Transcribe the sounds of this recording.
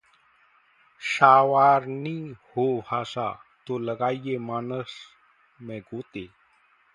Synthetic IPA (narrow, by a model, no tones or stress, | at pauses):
ɕaːʋaɾnihoasa̰t̪oləɡajjemaːnəs | mɛ̃ɡot̪e